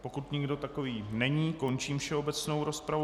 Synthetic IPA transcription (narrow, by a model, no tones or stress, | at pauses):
po̞kut̪ɲɪɡdo̞t̪ako̞viːnɛɲiːko̞nt͡ʃiːmfʃɛo̞bɛt͡sno̞wɾo̞spɾavu